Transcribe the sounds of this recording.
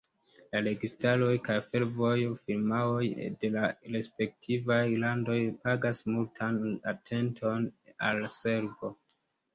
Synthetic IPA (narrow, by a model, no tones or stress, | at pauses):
lale̞ɡistalo̞jkajfe̞lvo̞jfilmaojde̞laɾe̞spe̞k̚tʰivajlando̞jpaɡasmultʰanatʰe̞ntʰo̞nalse̞ɾvo̞